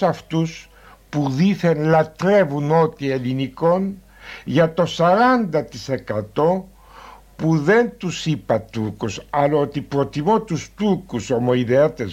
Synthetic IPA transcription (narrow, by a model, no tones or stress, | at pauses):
ɐft̪us | puðiθenlɐt̪ɾe̞vuno̞t̪ie̞liniko̞n | ʝɐt̪o̞sɐɾɐnd̪ɐt̪ise̞kɐt̪o̞ | puðe̞nt̪usipɐt̪ukusɐlɐot̪ipɾo̞t̪imo̞t̪ust̪ukuso̞moiðeɐt̪es